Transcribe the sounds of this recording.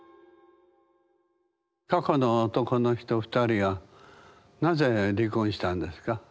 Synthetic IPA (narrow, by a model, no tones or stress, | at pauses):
kako̞no̞ːt̪o̞ko̞no̞çi̥t̪o̞ɸɯ̥t̪aɾʲiβa | naze̞ɾʲikõɰ̃ɕi̥t̪ãnd̪e̞sɨ̥ka